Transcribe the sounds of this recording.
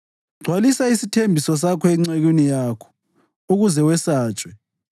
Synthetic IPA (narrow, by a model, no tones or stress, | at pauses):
ɡ͡ǀʱwalisaisitʰembʱisɔs̬akʰɔɛŋ͡ǀeɣinijaːkʰɔ̥ | uɣuzɛwɛsaːt͡ʃʼwɛ